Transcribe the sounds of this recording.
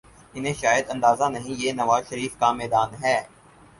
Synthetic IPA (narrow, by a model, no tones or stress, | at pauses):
ɪnɦẽʃaːjəd̪ɐ̃nd̪aːzanɐɦĩjeːnɐʋaːzʃəɾiːfkamɛːd̪aːnɦɛː